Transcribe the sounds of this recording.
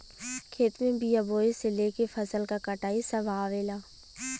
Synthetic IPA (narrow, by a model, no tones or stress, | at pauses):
kʰeːt̪mẽbijaboːesɪlekefʰɐsəlkakɐʈaːisɐʋaːʋeːlaː